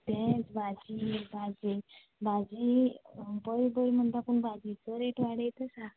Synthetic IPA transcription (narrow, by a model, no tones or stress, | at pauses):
t̪ɛ̃t͡sbʱad͡ʑibʱad͡ʑe | bʱad͡ʑi | bəɾibəɾm̤əɳt̪apuɳbʱad͡ʑit͡səɾeʈʋaɽəjt̪əsa